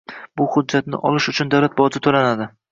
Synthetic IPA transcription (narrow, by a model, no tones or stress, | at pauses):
bʊhʊd͡ʒːat̪̚nɪ̰ʔɒlɪʃʊt͡ʃʰʊnd̪awlat̪̚bɒd͡ʒ̪ɪt̪ʰolanad̪ɪ